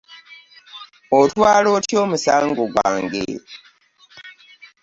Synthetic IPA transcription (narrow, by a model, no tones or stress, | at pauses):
otwaːloːtjo̞ːmusaːŋɡoɡwa̰ːŋɡḛːɾe